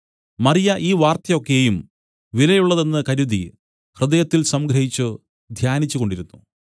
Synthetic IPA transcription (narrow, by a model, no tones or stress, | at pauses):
mɐrijɐʔiːʋaːrt̪jɐo̞kːejum | ʋilɐjuɭːɐðe̞nːɨkɐɾud̪ḭ | hrɨd̪ɐjɐt̪ːilsɐmɡɾɐhit͡ɕːu | d̪ʱjaːnit͡ɕːuɣo̞ɳɖiɾunːu